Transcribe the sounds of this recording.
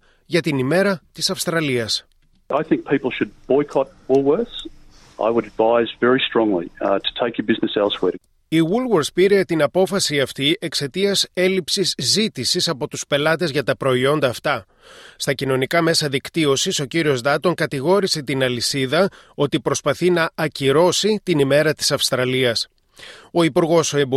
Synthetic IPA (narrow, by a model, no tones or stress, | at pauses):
ʝɐt̪inime̞ɾɐt̪isɐfst̪ɾɐliɐs | aɪθɪ̃ŋk̚pʰipl̩ˠʃɨd̚b̥ɔɪkʰɑt̚wʊlˠwɜ˞θz | ʔa̰ɪwəɾɨdvaɪzvɛɹistɹ̥ɔ̃ŋlḭtʰə̥tʰeɪkəbɪznɨsɛlˠtswɛ | iwulwoɾspiɾe̞t̪inɐpo̞fɐsiɐft̪iʔe̞kse̞t̪iɐse̞lipsisːit̪isisɐpo̞t̪uspe̞lɐt̪e̞zʝɐt̪ɐpɾo̞io̞nd̪ɐːft̪ɐ | st̪ɐcino̞nikɐme̞sɐðikt̪io̞siso̞ciɾio̞zðɐt̪o̞ŋkɐt̪iɣo̞ɾise̞t̪inɐlisiðɐ | o̞t̪ipɾo̞spɐθinɐːciɾo̞sit̪inime̞ɾɐt̪i̥sɐfst̪ɾɐliɐs | o̞ipuɾɣo̞soeb